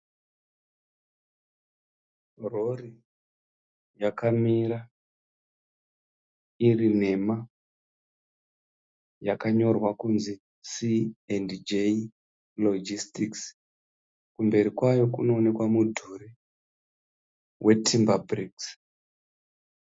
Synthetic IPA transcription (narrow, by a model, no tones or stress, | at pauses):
rori | jakamiɾa | irine̞ma | jakaɲo̞rwakunzi | siendd͡ʒe | lod͡ʒistiks | kumbe̞ɾikwajo̞kuno̞ːne̞kwamudʱuri | wʔe̞tʰimbabriks